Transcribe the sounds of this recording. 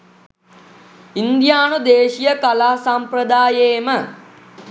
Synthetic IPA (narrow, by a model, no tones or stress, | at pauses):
ind̪jaːnud̪eːʃijəkalaːsamprəd̪aːjeːmə